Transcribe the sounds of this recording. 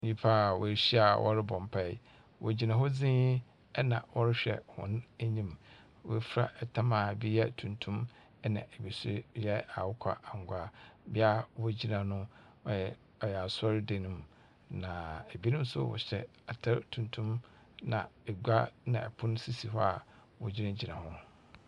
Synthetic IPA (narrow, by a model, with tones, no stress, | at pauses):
ɲĩ˦pʰa˦˨wɔ̰˨ɕi˦a˨wʔɔ̰˦ɾɪ˦bɔ̃˨m˨pʰa˦˨˦ | wʔɔ˨d͡ʑi˨nã˨ɦɔ˦d͡zɪ̃˦i˦ | ɛ˦nã̰˨wʔɔ˦ɾɪ˦ɕᶣɛ̰˨hʊ̰̃˨n˦æ˦ɲĩ˦m | wɔ̰˨˦fɾa̰˦ʔɛ˨tʰã˦ma˨bi˦jɛ˦tʰũ˨ntʰũ˦m˦ | nã̰˨ʔæ˨bi˨sʊ˦jɛ˦a̰˨wʊ˦kʷʰa̰˦a˨ŋ˨ɡʷa˦bɪ˦a˦wɔ˦˨d͡ʑi˦nã˨nʊ̃˦ | ɔ˦jɛ˨ | ɔ˨jɛ˨a˨sɔ˦ɾɪ˦de˨nʊ̃˨m | nã˨æ˨bi˦nʊ̃˦m˦sʊ̰˦wɔ̰˨ɕɛ˦ | a˨tʰa˦ɾtʰũ˨ntʰũ˦m | nã̰˨ɛ˨ɡʷa˦nã˨ɛ˨pʰʊ̃˦ñ˦si˦si˨ɦɔ˦a˨ | wɔ˨d͡ʑi˦nã˦d͡ʑi˨nã˨hʊ̃˦